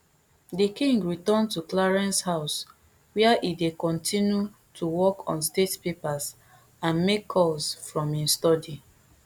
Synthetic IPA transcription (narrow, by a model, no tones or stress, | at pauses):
dikĩŋɡɹitɔ̃ntuklaɹɛ̃nshaʊs | wɛaʔidekɔ̃ntĩnju | tʰuwɔkʰɔ̰̃nstetpepas | ãnmekʰːɔsfɹɔ̃mhĩstɔdi